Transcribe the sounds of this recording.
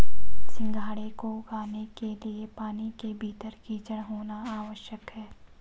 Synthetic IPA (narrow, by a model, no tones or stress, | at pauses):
sɪ̃ŋɡʱaːɽekoɡaːnekeliepaːnikebʱiːt̪əɾkiːt͡ʃəɽ̃ɦoːnaaːʋəʃjəkɦɛː